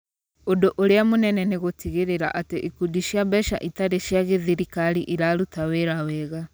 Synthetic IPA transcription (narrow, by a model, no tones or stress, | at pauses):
odoʔoɾeamonɛnɛneɣotiɣeɾeɾa̰ʔateʔikudiʃiabɛʃa̰ʔitaɾeʃjaɣeðiɾikaɾiʔiɾaɾutaweɾawɛɣa